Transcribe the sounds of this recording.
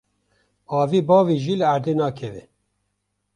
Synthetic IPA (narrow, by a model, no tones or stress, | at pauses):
ɑːviːbɑːviːʒiːlɨæɾd̪eːnɑːkʰɛvɛ̰